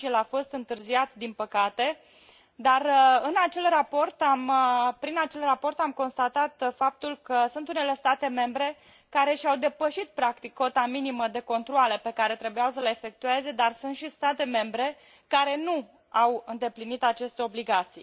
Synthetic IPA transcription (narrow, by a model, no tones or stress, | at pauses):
jelafo̞st̪ɨnt̪ɨrziat̪d̪inpəkat̪e̞ | d̪arɨnat͡ʃe̞lrapo̞rt̪ampɾinat͡ʃe̞lrapo̞rt̪amko̞nst̪at̪at̪fap̚t̪ulkəsunt̪une̞le̞st̪at̪e̞me̞mbɾe̞ | kaɾe̞ʃiawd̪e̞pəʃit̪̚pɾakt̪ikːo̞t̪aminiməd̪e̞ko̞nt̪ɾoale̞pe̞kaɾe̞t̪ɾe̞bujaws̬əleefe̞k̚t̪ue̞ze̞d̪arsunt̪ʃist̪at̪e̞me̞mbɾe̞ | kaɾe̞nu | awɨnd̪e̞plinit̪at͡ʃe̞st̪eo̞bliɡat̪sḭ